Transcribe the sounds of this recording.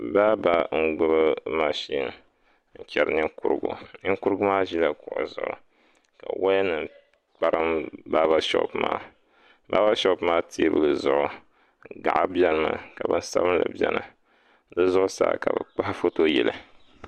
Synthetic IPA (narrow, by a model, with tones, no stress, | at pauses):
ba˦ba˦ŋ̩˦ɡʊ˦bɨ˦ma˦ʃi˦n˨ | ŋ̩˨t͡ʃɛ˨ɾ̰nɨ˦ku˦ɾɨ˨ɡṵ˨nɨ˦ŋku˦ɾɨ˦ɡʊ˦maː˦ʒi˦la˦kʊ˨ʔʊ̰˨zʊ̰˨ʔʊ̰˨ | ka˨wa˦nɨ˨n | k͡pa˦ɾɨ˦mba˦ba˦ʃɔ̰˦pma̰ː˦ | ba˦ba˦ʃɔ˦pmaː˦tʰe˦bɨ˨lɨ˨zʊ˨ʔʊ˨ | ŋ˨ɡa˨ʔa˦bjɛ˦lma˦ka˨bɨ˦n˦sa̰˦bɨ˦nla̰˨bʲɛ̰˦na˨ | dɨ˦zʊ˦ʔʊ˦sa̰ː˦˨ka˨bɨ˨k͡pa˦hfo˦to˦jɛ˨lɨ˨